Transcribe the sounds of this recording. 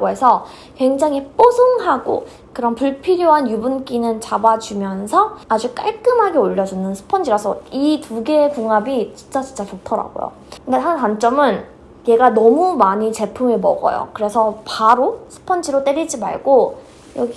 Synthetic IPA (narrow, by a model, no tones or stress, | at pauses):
ɡoɦe̞sʰʌ | kwe̞ŋd͡ʑaŋip͈osʰoŋɦaɡo̰ | kɯɾʌmpuɭpʰiɾjoɦanjubunk͈inɯnt͡ɕabad͡ʑumjʌnsʰʌad͡ʑuk͈a̰ɭk͈ɯmɦaɡeoʎːʌd͡ʑunɯnsʰɯ̥pʰʌnd͡ʑiɾasʰʌituɡe̞puŋɦabit͡ɕint͡ɕ͈at͡ɕint͡ɕ͈at͡ɕotʰʌɾa̰ɡo̰jo̰ | kndeɦankwant͡ɕ͈ʌmɯn | je̞ɡanʌmumaɲit͡ɕe̞pʰumemʌ̰ɡʌ̰jo̰kɯɾe̞sʰʌpaɾosʰɯ̥pʰʌnd͡ʑiɾot͈eɾid͡ʑima̰ɭɡo | jʌɡi